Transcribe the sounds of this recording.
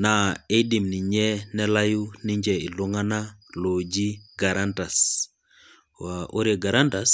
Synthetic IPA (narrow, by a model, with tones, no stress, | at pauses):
na˨e˦di˨mni˨ɲɛ˦nɛ˦la˦ju˦ni˦ɲd͡ʒɛ˨i˨lɔ˦ŋa˦na˦ | lo˨d͡ʒi˦ɡa˨ɾanta˨s | waʔo˦ɾje˨ɡa˨ɾa˦nta˦s